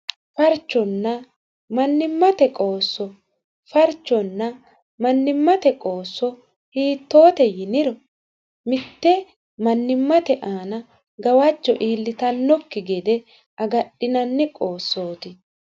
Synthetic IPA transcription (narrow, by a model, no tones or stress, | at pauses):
fɐɾt͡ʃːɔnːɐ | mɐnːɪmːɐt̪ɛkʼo̞ːsːɔ | fɐɾt͡ʃːɔnːɐ | mɐnːɪmːɐt̪ɛkʼo̞ːsːɔ | hiːt̪ːo̞ːt̪ɛjɪnɪɾɔ | mɪt̪ːɛ | mɐnːɪmːɐt̪ɛʔaːnɐ | ɡɐwɐt͡ʃːɔʔiːlːɪt̪ɐnːɔkːɪɡɛd̪ɛ | ɐɡɐɗɪnɐnːɛkʼoːsːo̞ːt̪ɪ